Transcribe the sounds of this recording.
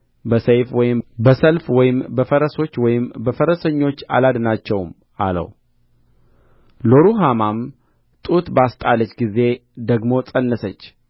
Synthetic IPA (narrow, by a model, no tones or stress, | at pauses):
bəsəjfwɔjɪmbəsəlfwɔjɪmbəfəɾəso̞t͡ʃːwɔjɪmbəfəɾəsəɲːo̞t͡ʃːa̰lad̪nat͡ʃːɛwm | a̰lə̰w | loɾuɦamam | t̪ʼut̪bast̪ʼalət͡ʃːɡize̞d̪əɡmo̞t͡sʼənːəsət͡ʃː